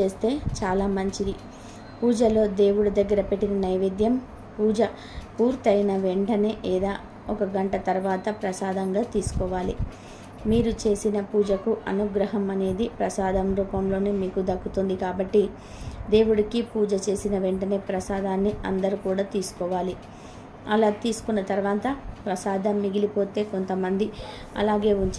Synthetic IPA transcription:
e̞ːst̪e̞ːt͡ʃaːlaːmɐɲt͡ʃid̪i | puːd͡ʒɐlo̞ːd̪e̞ːwuɽud̪ɐɡːɐɾɐpeʈːinɐnɐjʋid̪jɐm | puːd͡ʒɐ | puːɾt̪ɐjnɐʋe̞ɳʈɐneːʔɛːd̪aː | ɔkɐɡɐɳʈɐt̪ɐɾʋaːt̪ɐpɾɐsaːd̪ɐŋɡaːt̪iːsu̥kɔːʋaːlḭ | miːɾut͡ʃe̞ːsinɐpuːd͡ʒɐkuʔɐnuɡɾɐɦɐmɐne̞ːd̪ipɾɐsaːd̪ɐmɾuːpɐmlo̞ːneːmiːkud̪ɐkːut̪und̪ikaːbɐʈːi | d̪e̞ːwuɽikipuːd͡ʒɐt͡ʃe̞ːsinɐʋeɳʈɐne̞ːpɾɐsaːd̪aːnːiɐ̰nd̪ɐɾukuːɽaːt̪iːsu̥kɔːʋaːli | ɐlaːt̪iːsu̥kunːɐt̪ɐɾʋaːt̪ɐpɾɐsaːd̪ɐmːiɡilipo̞ːt̪e̞ːko̞nt̪ɐmɐnd̪i | ɐ̰laːɡe̞ːuɲt͡ʃ

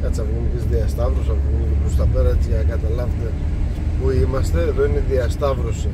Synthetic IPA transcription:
kɐt͡sɐvɣunicizðiɐst̪ɐvɾosɐvoɣunicepɾost̪ɐpeɾɐt̪iɐkɐt̪ɐlɐvet̪e̞ | puimɐst̪eðoiniðiɐst̪ɐvɾosi

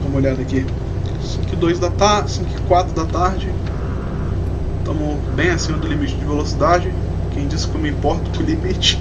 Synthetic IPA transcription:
ũmoʎad̪ɐki | sĩkʊɪd̪ojzd̪ɐt̪asĩkʊɪkwat̪ɾʊd̪ɐt̪aɾd͡ʒɪ | t̪õmʊ | bẽj̃asĩmɐd̪ʊlimit͡ʃɪd͡ʒɪvelosid̪ad͡ʒɪ | kẽj̃d͡ʒisɪ̥kõmĩpɔɾt̪ɐ̥pʊlimit͡ʃɪ̥

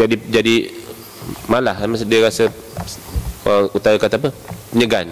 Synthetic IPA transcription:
d͡ʒadid͡ʒadi | malahamasdiəɾasə | kaut̪ajakat̪apəpəɲəɡan

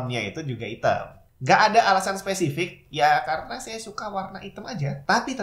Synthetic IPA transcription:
mɲait̪ud͡ʒuɡait̪ə̰m | ŋɡaʔːdaʔalasanspesifɪk̚jakaɾənasajasukawarnaʔit̪əmad͡ʒat̪apit̪ə

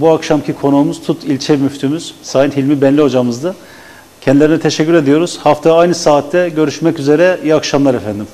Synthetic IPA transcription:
buakʃamcʰikʰo̞nuːmuz̥t̪ʰut̪ʰilʲt͡ʃʰɛmyft̪ʰymyz̥saːjinhilʲmibɛnlʲio̞d͡ʒamɯzd̪ɯ | cʰɛnd̪ilʲeɾinɛt̪ʰeʃɛcʰːyɾe̞d̪ijo̞ɾuz̥haft̪ʰaajnɯsaːt̪ʰːɛɟø̞ɾyʃmɛcyze̞ɾɛjɛakʃamlˠaɾefænd̪im

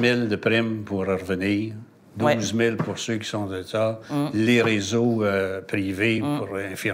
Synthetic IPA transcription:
mɪld̪əpʁɪmpuʁəʁəvəniːʁ | d̪uːzmɪlpuʁsøkʲi̥sɔ̃t̪et̪aleʁezoəpʁivepʰuʁɛ̃fi

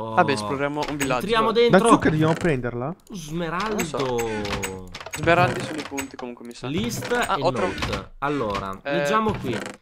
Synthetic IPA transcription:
abɛsploɾjaːmoʔũvilːat̪ɾjaːmod̪end̪aɾoukːed̪ovjamopɾɛnd̪eɾlazmeɾalo | zmeɾald̪isonoipunt̪ikomuŋkwemisalist̪enːɾt̪alːoːɾa̰led͡ʒːaːmokwi

